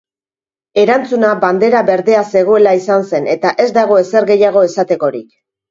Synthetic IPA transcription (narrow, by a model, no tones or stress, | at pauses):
e̞ɾant͡sunaband̪e̞ɾaβe̞ɾðe̞ase̞ɣ̞o̞e̞laisanse̞ne̞t̪aʔe̞zd̪aɣ̞o̞e̞se̞ɾɣe̞jaɣ̞o̞e̞sat̪e̞ko̞ɾik